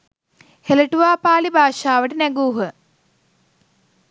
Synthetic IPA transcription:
heləʈuʋaːpaːlibʱaːʃaːʋəʈənæɡuːɦə

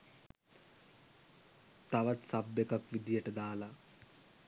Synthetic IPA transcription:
t̪aʋat̪sabːekakʋid̪ijəʈəd̪aːla

